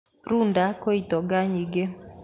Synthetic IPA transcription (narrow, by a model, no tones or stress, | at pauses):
ɾundakoitɔɡaɲiɡe